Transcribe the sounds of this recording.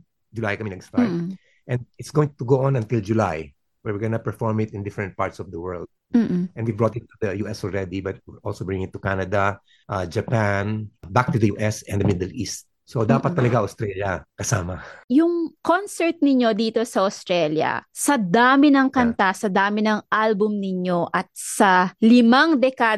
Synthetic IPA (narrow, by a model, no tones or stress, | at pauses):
d͡ʒʊlajkɐmɪnɐɡst̪aj | ʔɛ̃nd̪̚ɪt̪sɡowɪ̃ŋt̪ʊɡoʔɔ̃nɐ̃nt̪ɪld͡ʒʊlaj | wɛɹwɪɹɡɐnɐpɛfɔɹmɪt̪ɪ̃nd̪ɪfɾɛnt̪̚paɹt̪sɔvd̪ɐwɛɹld̪̚m̩ːʔɛ̃nwibɹot̪ɪt̪ːud̪ɐjuːʔɛsɔlɹɛd̪ibɐt̪̚wɪɹʔolsobɹɪ̃ŋɪt̪ːʊkanɐd̪ɐ | ʔad͡ʒɐpanbak̚t̪ud̪ɐjuːʔɛsɛ̃nd̪ɐmɪd̪ɛlʔist̪̚ | sod̪aːpɐt̪ːɐlɐɡaʔɐst̪ɾɛljɐkɐsaːmɐjʊŋkonsɛɹt̪̚nɪɲo̞d̪iːt̪o̞sɐɐst̪ɾɛljɐ̰sɐd̪aːmɪnɐŋkɐnt̪asɐd̪aːmɪnɐŋʔalbʊmnɪɲo̞ʔɐt̪̚sɐlɪmaŋd̪ɛka